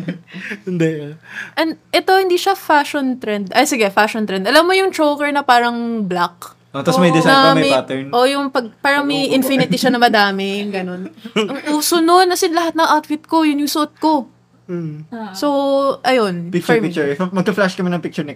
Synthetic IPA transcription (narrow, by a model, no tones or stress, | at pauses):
ɪnd̪ɛʔɐnʔɛt̪o̞hɪnd̪iːʃɐfaʃont̪ɾɛnd̪ʔɐjsɪɡɛfaʃont̪ɾɛnd̪ɐlɐmːojʊŋt͡ʃowkɛɹnɐpaːɾɐŋblak̚ | ʔot̪ɐmɐjd̪ɪsɐmɐmɐat̪ɛɹʔojʊŋpɐɡ̚paːɾɐŋmɐjʔɪnfɪnɪt̪ɪʃɐnɐmɐd̪aːmɪŋɡɐno̞nʔɐŋʔuːsononːɐsɪnlɐɦat̪nɐŋʔawt̪fɪt̪̚ko̞jʊŋjʊŋsoot̪̚ko̞ | so̞ʔɐjo̞npɪkft͡ʃɹpɪk̚t͡ʃʊmɐɡ̚pɐflaʃkɐmɛnɐŋpɪk̚t͡ʃʊɹnɛk